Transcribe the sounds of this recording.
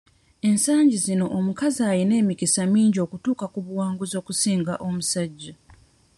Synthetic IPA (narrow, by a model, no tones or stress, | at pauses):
e̞nsaːɲɟizino̞ʔomukazaːjine̞ːmikisamiːɲɟo̞ːkutuːkakuβuwaːŋɡuzo̞ːkusiːŋɡaʔomusaɟːa